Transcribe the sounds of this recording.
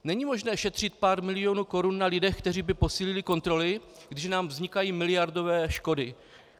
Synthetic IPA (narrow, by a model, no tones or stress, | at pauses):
nɛɲimo̞ʒnɛːʃɛt̪r̥ɪt̪̚paːɾmɪlɪjo̞nuːko̞ɾunːalɪdɛxkt̪ɛr̝iːbɪpo̞siːlɪlɪko̞nt̪ɾo̞lɪ | ɡdɪʃnaːmvzɲɪkajiːmɪlɪjaɾdo̞vɛːʃko̞dɪ